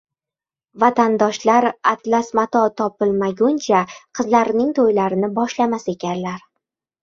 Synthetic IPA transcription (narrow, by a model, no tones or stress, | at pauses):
vat̪ʰand̪ɒʃlaɾat̪lasmat̪ɒt̪ʰɒpɪlmaɡʲʊnt͡ʃʰaqʰɨzlaɾnɪŋt̪ʰojlaɾɪnɪbɒʃlamase̞kʲʰanlaɾ